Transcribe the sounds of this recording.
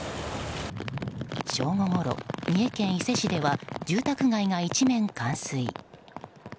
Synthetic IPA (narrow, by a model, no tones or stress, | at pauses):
ɕo̞ːŋo̞ŋo̞ɾo̞̰mʲie̞kẽ̞ɰ̃ise̞ɕid̪e̞βad͡ʑɨːt̪akɯ̟ɡaiŋait͡ɕimẽ̞ŋkãñsɨḭ